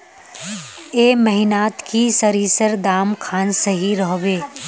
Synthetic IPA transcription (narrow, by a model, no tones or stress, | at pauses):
eːmɐɦɪnaːt̪kisəɾiːsəɾd̪aːmkʰaːnsɐɦiɾɔɦʋeː